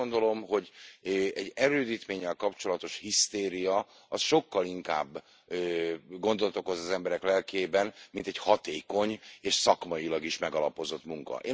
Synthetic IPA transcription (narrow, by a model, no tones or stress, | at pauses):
ond̪o̞lo̞mɦo̞ɟɛɟːɛɾøːd̪iːt̪meːɲːɛlkɒpt͡ʃo̞lɒt̪o̞ʃhist̪eːɾijɒ | ɒsʃo̞kːɒliŋka̰ːbː | ɡo̞nd̪olɒt̪o̞ko̞zɒzɛmbɛɾɛklɛlkeːbɛnmint̪ɛchɒt̪eːko̞ɲeːʃsɒkmɒjilɒɡiʃmɛɡɒlɒpo̞zo̞t̪muŋkɒ̰ʔeː